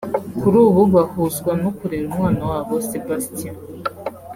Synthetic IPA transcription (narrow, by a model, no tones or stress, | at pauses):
kuɾuːβuβahuzɡwanokuɾiɾumwaːnawaːβosebastia